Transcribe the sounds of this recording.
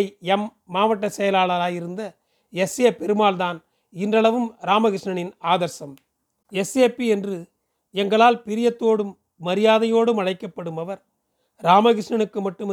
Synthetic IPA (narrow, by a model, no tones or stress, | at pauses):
ɛmː | aːʋɐʈːɐsɛjɐlaːɭɐɾaːjɪɾɯnd̪ɐ | ɛseːpːɛɾɯmaːlðaːn | ɪndrɐɭɐʋɯmɾaːmɐɣɪʂɳɐɳɪnaːðɐɾsɐm | ɛseːpːiɛndrɯ | ɛŋɡɐɭaːlpɪɾɪjɐt̪ːoːɽɯmː | ɐɾɪjaːðɐjoːɽɯmɐɻɐɪkːɐpːɐɽɯmɐʋɐɾ | ɾaːmɐɣɪʂɳɐɳɯkːɯmɐʈːɯm